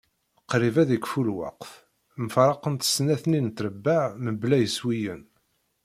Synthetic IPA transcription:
qɾivæðikfulwɑ̰qf | məfɾˤɑqənt̪ə̥snæθnint̪ɾəbːaʕməblæjəswijə̰n

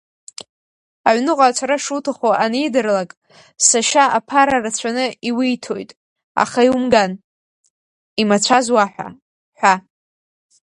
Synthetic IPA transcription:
aʕʷnɨqʼat͡sʷʰaɾaʂutʰaχoʔanijdɨrlakʼ | saʃaʔapʰaɾarat͡ɕʷʰanɨiwijtʰojtʼ | a̰χaiwumɡan | imat͡ɕʷʰazwaħʷᶣa̰ | ħʷa

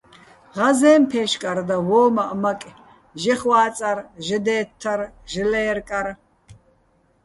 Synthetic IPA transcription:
ʁazɛːmpʰɛːʃkʼaɾd̪awɔːmaʔmakʼ | ʒɛχwaːt͡sʼarʒɛd̪ɛːt̪ʰːar | ʒɨlɛjɛrkʼaɾ

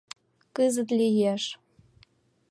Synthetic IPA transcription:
kɨzə̆t̪lʲijeʃ

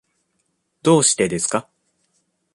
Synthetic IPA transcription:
d̪o̞ːɕi̥t̪e̞d̪e̞sɨ̥ka

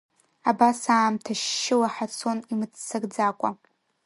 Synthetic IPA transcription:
abasaːmtʰaʃːɪwaħat͡sʰo̞nimɨt͡sʰːɨɡd͡zakʷʼa

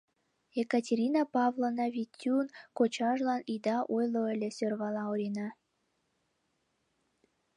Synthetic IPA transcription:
jekatʲeɾʲinɑpɑvlˠonɑβʲitʲːunkot͡ɕɑʒlɑnid̪ɑʔojlˠoəlʲesʲørβɑlɑoɾʲinɑ

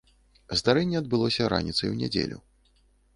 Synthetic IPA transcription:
zd̪aɾɛnʲːɛɐd̪̚bɨlˠɔsʲɐɾa̰nʲit̪sɐjwnʲɛ̰d͡zʲḛlʲṵ

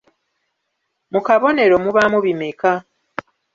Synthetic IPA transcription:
mukaβo̞ne̞ɾo̞muβamuβimeka

